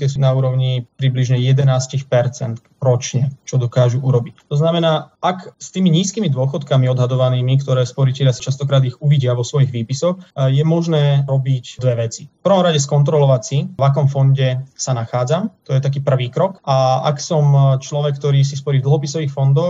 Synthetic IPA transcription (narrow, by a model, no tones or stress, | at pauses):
t̪ɪɛs̬unauːɾɔʊɲipɾibliʒɲɛjɛd̪ɛnaːscixpɛɾt͡sɛnt̪ | ɾɔt͡ʃɲɛt͡ʃɔd̪ɔkaːʒuʔuɾɔbict̪ɔznamɛnaːʔakst̪iːmiɲiːskiːmid̪ʊɔxɔt̪kamiɔd̪ɦad̪ɔʋaniːmikt̪ɔɾɛːspɔɾicɛʎɪasḁt͡ʃast̪ɔkɾaːd̪iɣuʋiɟɪaʋɔsʋɔjiɣʋiːpisɔxjɛmɔʒnɛːɾɔbicd̪ʋɛʋɛt͡sifpr̩ʋɔmɾaɟɛskɔnt̪ɾɔlɔʋacsiʋak̬ɔmfɔnɟɛsanaxaːd͡zamt̪ɔjɛt̪ak̬iːpr̩ʋiːkɾɔkaa̰ksɔmt͡ʃlɔʋɛk̚ːt̪ɔɾiːs̬ispɔɾiːvd̪l̩ɦɔpisɔʋiːxfɔnd̪ɔx